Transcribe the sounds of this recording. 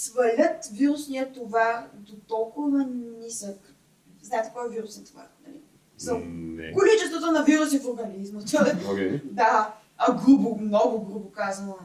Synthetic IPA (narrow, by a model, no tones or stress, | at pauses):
svɐlʲət̪viɾʊsniɐt̪ovad̪ot̪ɔlˠkʊvɐnisək | znaɛt̪ɛ̥kɔjɛviɾusɛnt̪ova̰nɐlḭ | sɐkolit͡ʃɛst̪vot̪onɐviɾusʲifʊɾɡɐlizmət̪ɔɛd̪a | ɐɡɾubʊmnɔɡʊɡɾubʊkazənˠ